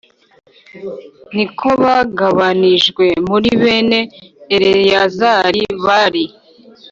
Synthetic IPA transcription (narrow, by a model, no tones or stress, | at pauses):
nikʰo̞βaɡaβaniʒɡwe̞muɾiβe̞ne̞ːɾejazaɾiβaɾi